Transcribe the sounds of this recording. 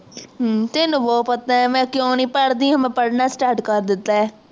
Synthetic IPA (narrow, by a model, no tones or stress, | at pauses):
ɦt̪ɪnũːʋoːpət̪aːɛːmɛ̃ːkjõːnĩːpəɽd̪ĩːɦəmɛ̃ːpəɽnaːsʈaːɾʈkəɾd̪ɪt̪ːaːɛː